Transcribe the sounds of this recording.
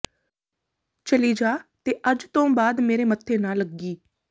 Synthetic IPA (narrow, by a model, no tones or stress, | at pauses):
t͡ʃəliːd͡ʒaːt̪eːʔəd͡ʒt̪õːbaːd̪meːɾeːmət̪ʰːeːnaːləɡːiː